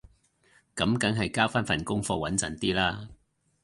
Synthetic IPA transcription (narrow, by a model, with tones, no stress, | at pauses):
kɐ˨˥mkɐ˨˥ŋɦɐ˨jkaː˥wfaː˥nfɐ˨˩nkʊ˥ŋfɔː˧wɐ˨˥nt͡sɐ˨˩nt̪iː˥laː˥